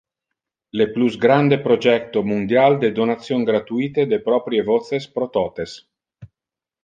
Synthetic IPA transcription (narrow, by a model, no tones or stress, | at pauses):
lepluzɡɾand̪epɾod͡ʒɛkt̪omund̪jald̪ed̪onat̪sːjoŋɡɾat̪uiːt̪ed̪epɾɔpɾjevɔt̪sespɾot̪ɔːt̪es